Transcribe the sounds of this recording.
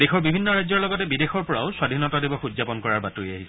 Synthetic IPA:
dexɔɹbibʱinːɔɹajzɔɹlɔɡɔtɛbidexɔɹpɔɹaʊswadʱinɔtadebɔxuzapɔnkɔɹaɹbatuia̰ɦiɛ

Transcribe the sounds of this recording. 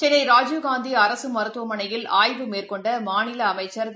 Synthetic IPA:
t͡ʃɪlɐɪɾaːd͡ʒjuɡaːnd̪iɐɾɐsɯmɐɾɯt̪ːʋɐmɐnɐjɪlaːjʋɯmeːrkɔɳɖɐmaːnɪlɐːmɐɪt͡ʃːɐɾ

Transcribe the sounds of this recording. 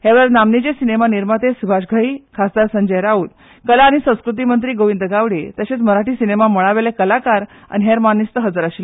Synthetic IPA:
heʋəɾnamnid͡ʑesinemaniɾmat̪esubʱaɕɡʱəiːkʰasd̪aɾsəɲd͡ʑəjɾauːd̪ | kəlaːɽ̃isə̃w̃skɾut̪̬imənt̪ɾiːɡoʋind̪əɡaʋɽet̪əɕet͡sməɾaʈiːsinemaməɭaʋelekəlakaɾ | a̰niɦeɾmanist̪əɦəd͡zəɾaɕil

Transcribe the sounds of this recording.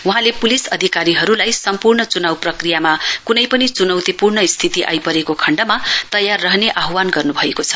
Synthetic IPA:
wuɦãlepulisʌd̪ʱikaɾiɦʌɾulajsʌmpurnʌt͡sunawprʌkrijamakunʌjpʌnit͡sunʌwt̪ipurnʌist̪ʰit̪iʔa̰jpʌɾekokʰʌɳɖʌmat̪ʌjarːʌɦneʔaɦwanɡʌrnubʱʌekot͡sʰʌ̥

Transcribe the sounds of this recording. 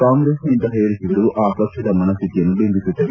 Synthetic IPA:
kaːŋɡɾeːsnint̪ɐɦeːjɐɾisiɽuʔaːpɐkʂɐd̪ɐmɐnɐst̪it̪ijɐnubembit̪ːut̪ːɐ

